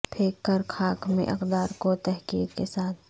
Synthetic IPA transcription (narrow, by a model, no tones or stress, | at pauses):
pʰeːkːəɾkʰaːkʰmḛ̃ʔɐqd̪aːɾkot̪ɛɦkḭːkkesaːt̪̚ʰ